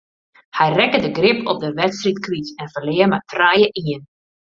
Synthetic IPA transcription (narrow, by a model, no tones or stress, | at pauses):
hɛjrɛkədəɡrɪpʰɔ̰p̚dəʋɛtstritkʋitɛnfəlɪərmatʰrajəʔiən